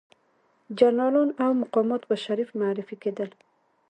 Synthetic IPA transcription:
d͡ʒaɾnɑlɔnawmaqɔmɔt̪baʃaɾifmaɾɪfiked̪əl

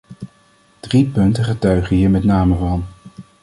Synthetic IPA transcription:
d̥ripɵntəχətœɥχəɦiːɹmɛtnaːməvɑn

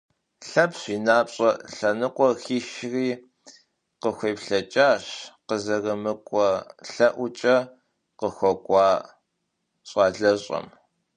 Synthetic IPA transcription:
ɬɐpɕʷiːnaːpɕʼɐɬɐnɨqʷʼɔxiːʃriː | qəxʷeːpɬɐt͡ʃʼaːɕqəzɐrɐmɨkʷʼɔɬɐʔʷʊt͡ʃʼɐ | qəxʷɔkʷʼɑː | ɕʼɑːɮɐɕʼɐ̰m

